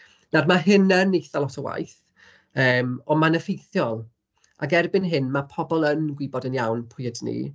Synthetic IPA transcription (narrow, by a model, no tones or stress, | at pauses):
nadmaɦɪnənejθalˠɔtʰɔwa̰jθ | əːmɔmanəfejθjɔlˠ | a̰ɡɛrbɪnɦɨnmapʰɔbɔlˠənɡwɪbɔdənjawnpʰʊjədnḭ